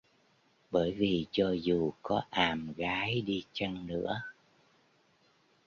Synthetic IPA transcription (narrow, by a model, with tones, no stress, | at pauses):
ɓəː˧˩jvi˨˩t͡ɕɔ˧zu˨˩kɔ˨˦ʔaː˨˩mɣaː˨˦jɗi˧t͡ɕə˧nnɨ̰˧˥ə